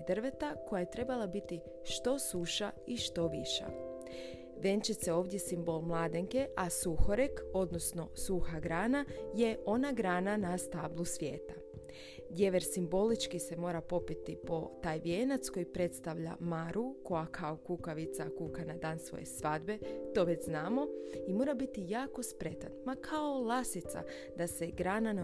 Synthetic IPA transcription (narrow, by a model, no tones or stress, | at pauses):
d̪rʋe̞t̪ako̞jaje̞t̪ɾe̞balˠabit̪i | ʃt̪o̞suʃaiʃt̪o̞ʋiʃa̰ | ʋe̞nt͡ʃit̪seo̞ːʋd̪jesimbo̞lˠmlˠaːd̪eŋke̞ʔasuxo̞ɾeko̞d̪no̞sno̞suxaɡɾaːnaje̞ʔo̞naɡɾaːnanast̪aːblˠusʋjeːt̪a | d̪je̞ʋeɾsimbo̞lit͡ʃkise̞mo̞ːɾapo̞pit̪ipo̞t̪aːjbjeːnat̪sko̞jipɾe̞t̪st̪aʋʎa̰maɾuko̞jakʰaokukaʋit̪sakuːkanad̪aːnsʋo̰jḛsʋad̪be̞t̪o̞ʋet͡ɕznaːmo̞imo̞ːɾabit̪ijaːko̞spɾe̞t̪anmakʰaolˠasit̪sa̰ | d̪ase̞ɡɾaːnan